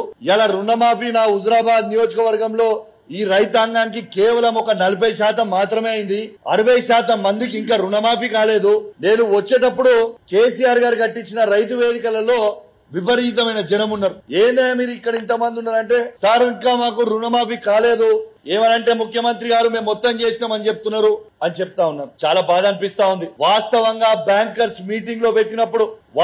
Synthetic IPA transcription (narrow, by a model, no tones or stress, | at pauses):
jalɐɾunɐmaːpinaːud̪ɾaːbaːd̪nijo̞ːd͡ʒɐkɐʋɐɾɡɐmlo̞ː | iːɾɐjt̪ɐŋɡaːnik̬ikeːʋɐlɐmɔkɐnɐlupɐjʃaːt̪ɐmːaːt̪ɾɐme̞ːɐjind̪iɐ̰ɾuʋɐjɐʃaːt̪ɐmːɐnd̪ik̬iŋkaːɾunɐmaːpikaːle̞ːd̪une̞ːnuʋɐt͡ʃːe̞ːʈɐpːuɽuke̞ːsijaːɾɡaːɾukɐʈːiɲt͡ʃinɐɾɐjt̪̬uʋe̞ːd̪ikɐlɐlo̞ː | ʋibɐɾiːt̪ɐmɐjnɐd͡ʒɐnɐmunːɐɾueːnd̪eːmiːɾuikːɐɽɐint̪ɐmɐnd̪unːaːɾɐɳʈe̞ːsaːɾiŋkaːmaːkuɾunɐmaːpikaːle̞ːd̪ue̞ːmɐnɐɳʈe̞ːmukʰjɐmɐnt̪ɾiɡaːɾume̞ːmːɔt̪ːɐmt͡ʃe̞ːsinaːmɐnit͡ʃep̚ut̪unːaːɾuɐnit͡ʃeput̪aːunːaːmut͡ʃaːlaːbaːd̪ɐnipist̪aːund̪iʋaːst̪ɐʋɐŋɡaːbjaːŋkɐɾsmiːʈiŋɡlo̞ːpe̞ʈːinɐpːuɽuʋ